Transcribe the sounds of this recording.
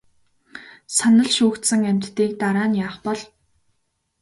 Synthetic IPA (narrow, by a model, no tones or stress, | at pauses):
sanə̆ɮʃuːxt̪sə̆ŋæm̥ʲt̪ːiːk̚t̪aɾaːnjaːχpɔɮ